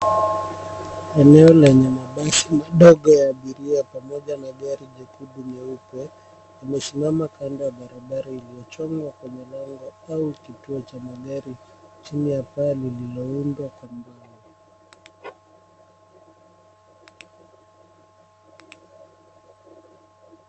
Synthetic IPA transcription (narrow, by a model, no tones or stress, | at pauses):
ɛnɛɔlɛɲamaɓasimaɗɔɠɔjaːɓiɾiapamɔʄanaɡaɾiʄɛkuɗumɛupɛ | imɛsimamakandɔjaɓaɾaɓaɾailiɔt͡ʃɔŋɡwakwɛɲɛlɔŋɡɔaukituɔt͡ʃamaɡaɾit͡ʃinijapalililɔundwakwam̩baɡŋi